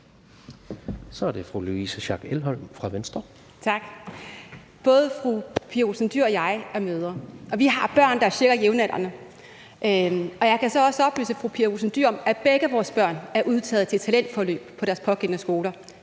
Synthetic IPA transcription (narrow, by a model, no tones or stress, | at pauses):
sɒ̽æɐd̥e̝fʁuluisəɕɑ̈ɡ̥elɦɒl̰mfʁɑ̈ʋensd̥ʁɐ | t͡sʰɑ̈ɡ̥ | b̥ɔ̽ːð̞ˠəfʁupʰiɐʁosənd̥yɐɒ̽jɑ̈ɪɒmøːð̞ˠɐɒ̽ʋiɦɑ̈b̥ɶɐ̰nd̥ɑæɐɕeɐɡ̥ɐjeʊnæɾ̥ɐnə | ʔøɒ̽jɑ̈ɪkʰæsɒ̽ɒ̽səɒ̽b̥ly̰ːsəfʁupʰiɐʁusn̩d̥yɐ̰mæb̥eɡ̥əæʋɒːsb̥ɶɐ̰næɐʔuð̞ˠt͡sʰɛ̰ːð̩ˠt͡sʰe̝lt͡sʰælen̰d̥fɒlø̰ːb̥pʰɒ̽ɾæɐspʰɒ̽ɡ̥en̰nəsɡ̥o̝ːlɐ